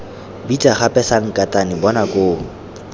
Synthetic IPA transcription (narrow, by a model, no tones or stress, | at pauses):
bit͡ʃʼaχapʼɛsaŋ̩kʼatʼanɪbɔnakʼoː